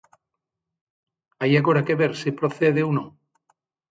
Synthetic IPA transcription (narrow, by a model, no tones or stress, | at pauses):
ajaɣoɾakeβeɾsipɾoθeðeunõŋ